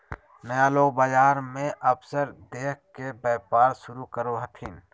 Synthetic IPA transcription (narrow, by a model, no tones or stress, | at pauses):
nəjaloːɡbaːd͡ʒaːɾmẽʔɐbsəɾd̪eːkkebɛːpaːɾʃʊɾukəɾoɦɐt̪ʰiːn